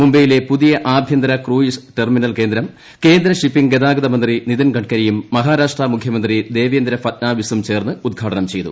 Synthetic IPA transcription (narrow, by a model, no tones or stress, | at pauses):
mumbɐjile̞puðijɐʔaːbʱjɐnd̪ɾɐkruːjisʈerminɐlke̞ːnd̪ɾɐm | ke̞ːnd̪ɾɐʂipːiŋɡed̪aːɡɐðɐmɐnd̪riniðinɡʱɐʈkɐɾɐjumːɐɦaːɾaːʂʈramukʰjɐmɐnd̪rid̪e̞ːʋejːnd̪ɾɐfɐt̪̚naːʋisumt͡ɕe̞ːrnɨud̪̚ɡʱaːʈɐnɐmt͡ɕe̞jt̪ṵ